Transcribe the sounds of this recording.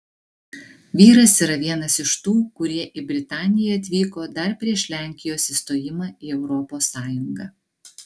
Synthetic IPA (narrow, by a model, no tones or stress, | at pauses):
ʋʲiːɾɐsiːɾɐʋʲiɛnɐsɪʃt̪uːkʊɾʲiɛʔɪbʲɾʲɪt̪ɑːnʲɪjɛɐt̪ʲʋʲiːkoːd̪ɐɾpʲɾʲiɛʃʲlʲæˑŋʲkʲɪjoːsiːst̪oːjɪmɑːiːɛʊɾɔpoːsːɑːjʊŋɡɑː